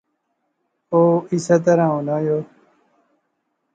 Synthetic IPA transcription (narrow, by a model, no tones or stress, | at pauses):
oːisat̪̬əɾãːõːnaːjoː